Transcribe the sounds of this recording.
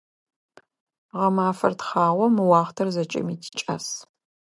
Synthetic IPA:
ʁɐmaːfɐrtχɑːʁʷɔmɨwɑːχtʰɐrzɐt͡ʃʼɐ̰miːtʰi̥t͡ʃʼɐ̰s

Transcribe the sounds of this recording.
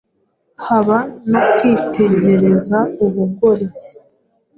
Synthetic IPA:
haβanokwiːtʰe̞ɲɟe̞ɾe̞zauβuɡo̞ɾei̥

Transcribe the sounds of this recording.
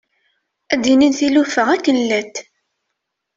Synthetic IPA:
æd̪ininθilufəʁækːənlæt̪ː

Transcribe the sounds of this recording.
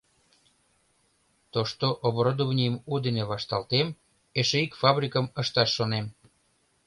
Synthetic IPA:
t̪oʃt̪oʔoβoɾod̪ovnʲijəmud̪eneβɑʃt̪ɑlt̪em | eʃeikfɑbɾʲikəməʃt̪ɑʃːonem

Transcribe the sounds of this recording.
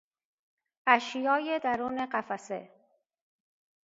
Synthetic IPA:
æʃjɒːjed̪æɾuːne̞ɢæfæsḛ

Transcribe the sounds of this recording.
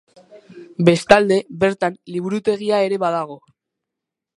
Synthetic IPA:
be̞st̪ald̪e̞βe̞ɾt̪anliβuɾut̪e̞ɣ̞iae̞ɾe̞βaðaɣ̞o̞

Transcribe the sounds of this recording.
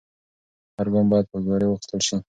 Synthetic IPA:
haɾɡombɑd̪̚pəzoɾewəxɪ̥st̪əlʃi

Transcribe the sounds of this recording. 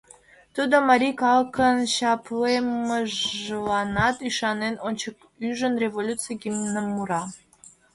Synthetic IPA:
t̪ud̪omɑɾʲikɑlkənɕɑpleməʒlɑnɑt̪yʃɑnenonʲt͡ɕək | yʒənrʲevolʲut͡sɨjɡimnəmːuɾɑ

